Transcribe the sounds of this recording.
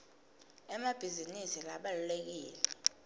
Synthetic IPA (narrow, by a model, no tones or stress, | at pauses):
ɛmab̥ʱizinisilaɓalulek̬iːlɛ